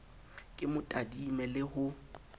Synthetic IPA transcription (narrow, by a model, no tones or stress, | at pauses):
kʼɪmʊtʼadimɛlɪhʊ